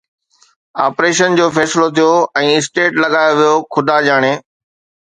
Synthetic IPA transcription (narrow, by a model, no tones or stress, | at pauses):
aːpɾeːʃənd͡ʑoːfɛːsɪlot̪ʰijoɛ̃ːɪsʈeːʈlɐɠaːjoʋijokʰʊd̪ʱaːʄaːɽ̃eː